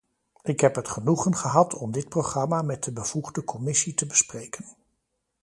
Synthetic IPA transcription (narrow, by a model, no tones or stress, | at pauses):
ɪkɦɛpɦətχənuχənχəɦɑtʰɔmdɪt̚prowχrɑmaːmɛt̚dəbəv̥uχdəkʰɔmɪsitəbəsprejkən